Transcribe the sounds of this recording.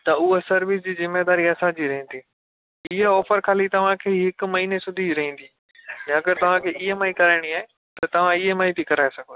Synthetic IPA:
t̪ɐʊɦosɐɾʋɪsd͡ʑiːzɪmːed̪aːɾiɐsãd͡ʑiːɾɐɦĩnd̪iː | ɪɦeɔːfəɾkʰaːlit̪ɐʋ̤ãkʰeːɦɪkʊ̆mɐɦiːnesʊd̪ʱiɾɐɦĩːn̆d̪iː | nɛ̃ɐɡəɾt̪ɐʋ̤ãkʰeːʔɪɦemãikɐɾaːɪɽ̃iaːɦe | t̪ɐt̪ɐʋ̤ãɪɦemaːĩt̪ikɐɾaːesɐɡʱoː

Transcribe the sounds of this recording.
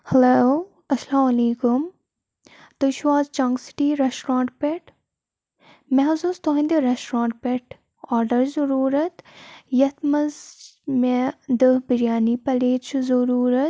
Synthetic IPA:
hɐlo | ɐslaːmɐleːkum | t̪uʃwaːzt͡ʃɐ̃ːŋɡsi̥ʈiɾesʈɾãːɳʈpeʈ | mɛɦɐzust̪oɦĩnd̪iɾesʈɾãːɳʈ̚peʈ | aːɾɖɐɾzɐɾuːɾɐt̪jɐt̪mɐzmed̪əhbiɾijaːnipɐleːt͡ʃʰuzɐɾuːɾɐt̪̚

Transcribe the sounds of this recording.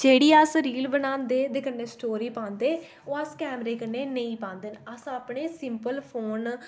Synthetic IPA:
d͡ʒeːɽiːəsɾiːlbənãːnd̪eːd̪eːkənːeːsʈoːɾiːpãːnd̪eː | oːəskɛːmɾeːkənːeːnəĩːpãːnd̪eːnəsaːpɳeːsɪmpəlpʰoːn

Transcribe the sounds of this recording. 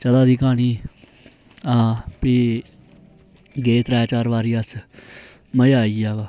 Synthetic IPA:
t͡ʃəlaːd̪iːkaːniː | aːpiː | ɡeːt̪ɾaːt͡ʃaːɾʋaːɾiːəs | məjaːiːaːɡaː

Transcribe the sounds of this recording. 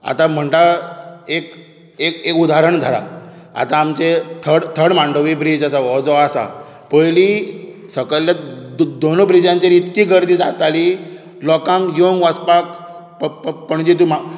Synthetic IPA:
a̰t̪ãm̤əɳʈ̪aek | ekekud̪ʱaɾəɳd̪ʱəɽa̰ | a̰t̪ãːmt͡ɕet̪ʰəɽt̪ʰəɽmaɳɖəʋibɾid͡ʑasaʋɔd͡zɔasa̰ | pəjli | səkəljad̪onobɾid͡ʑãɲt͡ɕeɾit̪kiɡəɾd̪id͡zat̪ali | lɔkãŋkjoŋɡʋaspak | ppəɳd͡ʑit̪uma

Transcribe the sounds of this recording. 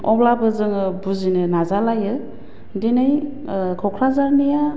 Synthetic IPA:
ɔblabɯzɯŋɯbuzinɯnazalajɯ | denaj | kʰɔwkʰɾazaɾnija

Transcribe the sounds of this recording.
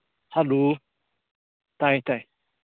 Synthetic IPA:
haloː | t̪ajt̪aj

